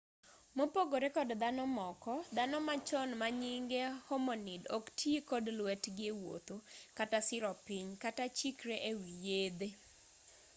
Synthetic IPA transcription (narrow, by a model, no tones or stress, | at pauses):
mopoɡoɾekɔdd̪anɔmɔkɔd̪anɔmat͡ʃɔnmaɲiŋɡehɔmɔnidɔktʰjekɔdlwɛtɡɪwo̰t̪okatasɪɾɔpɪɲkatat͡ʃikɾeʔewijed̪e